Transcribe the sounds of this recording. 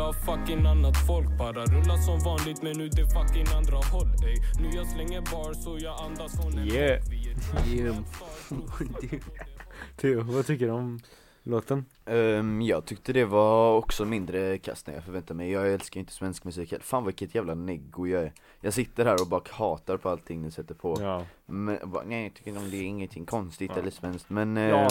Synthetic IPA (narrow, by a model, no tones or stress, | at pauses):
afakːɪŋanːat̪fɔlk̚bɑːɾaɾɵlːasɔmvɑːnlɪɡ̚t̪mɛnːʉːd̪ɛfakːɪŋand̪ɾɑɦɔlːɛnʉːjɑslɛŋːəɾbɑːɳsɔjɑːand̪asɔjɛ | t̪ʰyvat̪ʰʏkːəɖɔm | loːt̪ən | jɑːɡ̚t̪ʰʏkt̪əd̪ɛvaɔksɔmɪnd̪ɾəkʰa̰st̪na̰jɑ̰fœɾvɛnt̪amɛjjɑːɡɛlskajʏɪnt̪əsvɛnskmʉsiːkhɛ̰lfaːnvavɪkːət̪ʰjæːvlanɛɡːʊjɑæɾ | jɑːɡsɪt̪ːəɾhæːɾɔbɑːɾakʰhɑːt̪aɾpʰɔalt̪ʰːɪŋːnɪsɛt̪ːəɾpʰɔmɛɔ̰bɑ̰ːnɛɪt̪ʰʏkːɾɪnt̪ɔmd̪ɛɪŋːənt̪ʰɪŋːkʰɔnst̪ɪt̪ɛlːəsvɛnsk̚t̪mɛn